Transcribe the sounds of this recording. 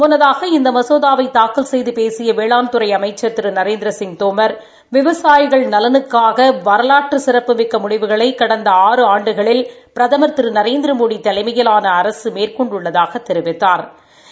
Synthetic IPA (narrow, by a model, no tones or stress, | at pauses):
mʊnɐðaːɣɐɪnd̪ɐmɐsoːðaːʋɐɪt̪aːkɐlsɛjðɯpeːsɪjɐʋeːɭaːnt̪ɯɾɐɪɐmɐɪt͡ʃːɐɾt̪ːɪɾɯnɐɾeːnd̪ɾɐsɪŋt̪oːmɐɾ | ʋɪʋɐsaːjɪɣɐɭnɐlɐnɯkːaːɣɐʋɐɾɐlaːʈrɯsɪɾɐpːɯmɪkːɐmʊɽɪʋɯɣɐɭɐɪkːɐɽɐnd̪ɐaːrɯaːɳɖɯɣɐɭɪlpɪɾɐðɐmɐɾt̪ɪɾɯnɐɾeːnd̪ɪɾɐmoːɽit̪ːɐlɐɪmɐjɐlaːnɐːɾɐsɯmeːrkɔɳɖʊɭːɐðaːɣɐt̪ːɛɾɪʋɪt̪ːaːɾ